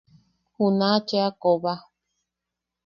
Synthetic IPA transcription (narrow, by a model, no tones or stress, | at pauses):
hunat͡ʃeakoβa